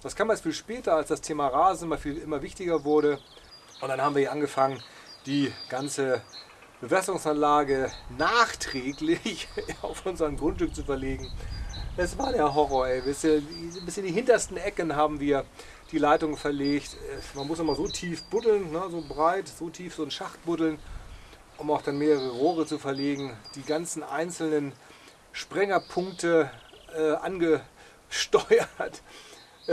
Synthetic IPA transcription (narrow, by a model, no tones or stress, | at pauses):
d̥askʰaːmɛstfiːlʃpɛːtɐalsd̥astʰeːmaʁaːzn̩maːlfiːlʔɪmɐvɪçtɪɡɐvʊɐɾə | ʔʊntd̥anhaːbm̩viːɐjɐʔanɡəfaŋən | d̥iːɡ̥ant͡sə | b̥əvɛsəlʊŋsanlaːɡənaːχtʁ̥ɛːklɪçaʊfʔʊnzɐnɡʁʊntʃtʏk̚t͡sufɛɐleːɡŋ̩ʔɛsv̥aːɐdeːɐɦɔʁɔɐɛbɪsəbɪsçəndiːɦɪntɐstn̩ʔɛkənɦaːbm̩viːɐ | d̥iːlaɪtʊŋfɛɐleːçtɛmanmʊsnɔmazoːtʰiːfb̥ʊtl̩nnəzoːbʁaɪtz̥oːtʰiːfz̥oːnʃaχt̚b̥ʊtl̩n | ʔʊmaʊxd̥anmeːʁəʁəʁoːʁ̞ət͡sufɛɐleːɡŋ̩d̥iːɡant͡sn̩ʔa̰ɪnt͡sl̩nən | ʃpʁ̥ɛŋɐpʰʊŋktəʔɛːʔa̰nɡə | ʃtɔʏɐt